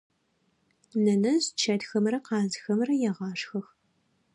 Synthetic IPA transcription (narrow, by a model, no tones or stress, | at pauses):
nɐnɐzt͡ʃʰɐtxɐmrɐqɑːzxɐmrɐjɛʁɑːʂxɐx